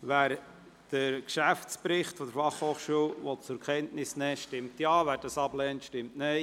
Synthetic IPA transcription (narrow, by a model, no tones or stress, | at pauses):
ʋæːɾ | d̥əɾkʃæft͡spɾɪχtfɔd̥əɾfɑχhoːχʃuːəlʋot͡sʊɾkʰɛntnɪsnɛːʃtɪmtjɑːvæːɾd̥ɑsɑblɛːntʃtɪmtnɛɪ